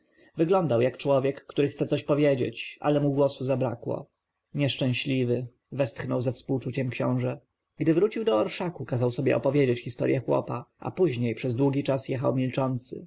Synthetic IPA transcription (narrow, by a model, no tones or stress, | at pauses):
vɘɡlɔnd̪awjakt͡ʂwɔvʲjɛkːt̪uɾɘxt̪sɛtsɔɕpɔvʲjed͡ʑḛt͡ɕʔa̰lɛmuɡwɔsuzabɾa̰kwɔ̰ | ɲɛʂt͡ʂɛ̃w̃ɕlʲivɘ | vɛst̪xnɔwzafspuwt͡ʂut͡ɕɛmkɕɔ̰̃w̃ʐɛ | ɡd̪ɘvɾut͡ɕiwd̪ɔːɾʂakukazawsɔbʲjɛ̰ʔɔ̰pɔvʲjed͡ʑet͡ɕxʲist̪ɔ̰ɾjʔɛxwɔ̰paa̰puʑɲejpʂɛzd̪wuɡʲit͡ʂasjɛxawmʲilt͡ʂɔnt̪sɘ̰